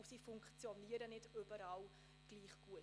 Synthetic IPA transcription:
siːfʊŋkχt͡sjɔniəɾənɪdøbəɾɑːl | ɡ̥liːχɡ̥uə

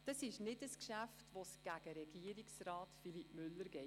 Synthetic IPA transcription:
d̥ɑsɪʃnɪdəskʃæftʋosɡ̥æɡ̥əɾɛɡ̥iəɾiksɾɑːtfilipmʏlːəɾɡɛɪ

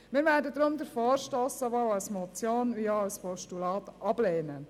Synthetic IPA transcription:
mɪːɾʋæːɾdəd̪ɾʊmd̪əɾfɔːɾʃtoːsəʋɔwɑwsmɔt͡sjoːnʋiːɑɑwspɔʃtulɑːt̪ʔɑbleːnə

